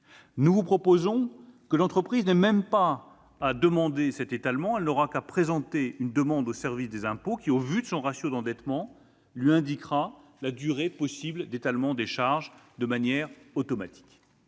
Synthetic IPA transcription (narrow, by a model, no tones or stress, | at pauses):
nuvupχɔpozɔ̃kəlɑ̃t̪χəpχiznɛmɛmpaː | d̪əmɑ̃d̪esɛt̪et̪almɑ̃ɛlnɔʁakapχezɑ̃t̪eynd̪əmɑ̃d̪osɛʁvisd̪ezɛ̃pokʲiovyd̪əsɔ̃ʁasjod̪ɑ̃d̪ɛt̪mɑ̃ | lɥiɛ̃d̪ikχalad̪yʁepɔsibld̪et̪almɑ̃d̪eʃaʁʒd̪əmanjɛʁot̪ɔmat̪i̥k